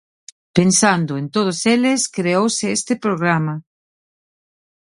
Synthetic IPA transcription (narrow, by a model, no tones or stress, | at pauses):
pensand̪ʊent̪oð̞ʊselɪskɾeowsɪest̪ɪpɾoɣ̞ɾamɐ